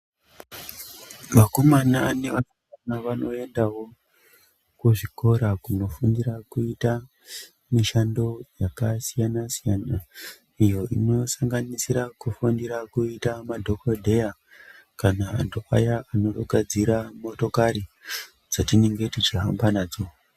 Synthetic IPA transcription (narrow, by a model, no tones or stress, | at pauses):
makomanane̞ʋasaanaʋano̞e̞ndawo̞ | kuʐiko̞ɾakuno̞fundiɾakuita | miʃando̞jakasijanasijana | ijo̞ʔḭno̞saŋɡanisiɾakufundiɾakuitamadʱo̞kodʱe̞ja | kana̰ːndoa̰jaano̞toɡʱad͡ziɾamo̞to̞kaɾi | d͡zatineŋɡe̞tit͡ʃiɦambanaːd͡zo